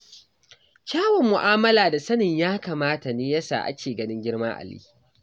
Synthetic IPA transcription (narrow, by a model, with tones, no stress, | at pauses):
kʲaː˦wɔ˨mːʊ˨ʔaː˦mɐ˦laː˨da˨sɐ˦nɪ˨ɲjaː˦kaː˨maː˦ta˨neː˦ja˦sa̰ː˨ʔa̰˦kʲeː˨ɡɐ˦nɪ˦ŋɡʲɪ˦ɽmaː˦ʔa̰˨lḭː˦